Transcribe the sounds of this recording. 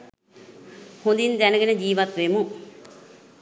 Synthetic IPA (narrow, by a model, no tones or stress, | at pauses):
hũnd̪ind̪ɛnəɡənəd͡ʒiːʋat̪ʋemu